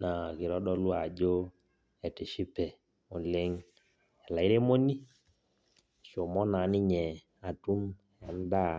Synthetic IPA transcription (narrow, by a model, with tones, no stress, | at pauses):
na˨ki˨ɾɔ˦ɗɔ˦lu˦a˨d͡ʒo˦ | ɛ˨ti˨ʃi˦pɛ˨ | u˨lɪ˦ŋ | ɛ˨la˨i˦ɾe˦mo˦ni˦˨ | ʃo˨mɔ˦na˨˦ni˦ɲɛ˨ | a˨tu˦n | ɛ˨n˦da˦